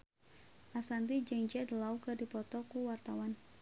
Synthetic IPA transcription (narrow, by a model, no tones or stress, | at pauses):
ʔasant̪id͡ʒɛŋd͡ʒɛd̪laukədipɔt̪ɔkuwart̪awan